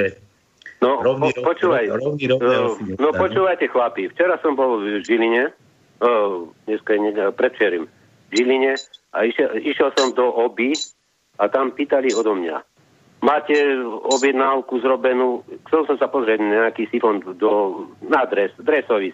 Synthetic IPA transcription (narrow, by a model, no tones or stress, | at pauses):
nɔpɔt͡ʃuːʋaj | nɔpɔt͡ʃuːʋajcɛxlapift͡ʃɛɾasɔmbɔlʒiliɲɛ | ɲɛskaɲɛpɾɛt̪t͡ʃɛɾim | vʒiliɲɛaiʃɛiʃjɛlsɔmd̪ɔʔɔbi | at̪ampiːt̪aliɔd̪ɔmɲa̰ | maːcɛɔbjɛd̪nalkuzɾɔbɛnuːxt͡sɛlsɔmsapɔzɾɪɛɟnaɲɛakiːsifɔnd̪ɔnad̪ɾɛsd̪ɾɛsɔʋi